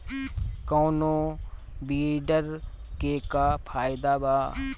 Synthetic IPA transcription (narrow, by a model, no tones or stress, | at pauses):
koːnoː | biːɖəɾkekapʰaːɪd̪abaː